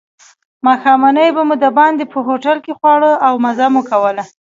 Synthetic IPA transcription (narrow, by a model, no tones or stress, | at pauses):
maxɑmanəjbamud̪əbɑnd̪epəɦoʈalkexwɑɽəawmazamukawəla